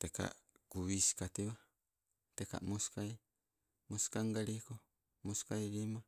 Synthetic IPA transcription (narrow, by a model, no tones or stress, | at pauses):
teka̰ɡuβiskat̪iwa | t̪eka̰ʔmoskaj | moskaŋɡaɾiko | moskajɾima